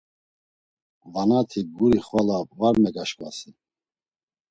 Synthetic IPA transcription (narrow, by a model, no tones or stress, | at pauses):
vanat̪ʰiɡuɾiχvalavaɾmɛɡaʃkʼvasi